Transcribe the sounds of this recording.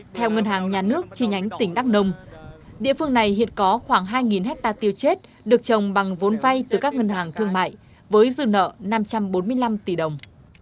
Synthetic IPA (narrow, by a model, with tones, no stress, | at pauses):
t̪ʰɛ˧wŋə˧nhaː˨˩ŋɲaː˨˩nɨ˦˥ək̚t͡ɕi˧˩ɲʔa˨˦jŋ̟t̪ï˧˩ŋ̟ɗa˦˥k̚nə˧wŋ͡mɗḭ˧˨əfɨ˧əŋna˨˩jhḭ˧˨ənkɔ˨˦xwaː˧˩ŋɦaː˧jŋi˨˩nhɛ˦˥k̚t̪aː˧t̪i˧wt͡ɕe˦˥t̚ | ɗɨ˨˩ək̚t͡ɕə˨˩wŋ͡mɓa˨˩ŋvo˨˦nva˧jt̪ɨ˨˩kaː˦˥k̚ŋə˧nhaː˨˩ŋt̪ʰɨ˧əŋma̰ː˧˨j | vəː˨˦jzɨ˧nə̰ː˧˨na˧mt͡ɕa˧mɓo˨˦nmɨ˧əjla˧mt̪i˧˩ɗə˨˩wŋ͡m